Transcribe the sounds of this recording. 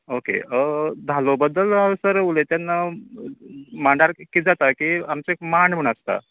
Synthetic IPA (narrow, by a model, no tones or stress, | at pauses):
okḛəd̪ʱalobəd̪ːələʋsəɾəulet̪janːa | maɳɖaɾkːid͡zat̪akiamt͡seekmaɳ̤əɳ̃əst̪a̰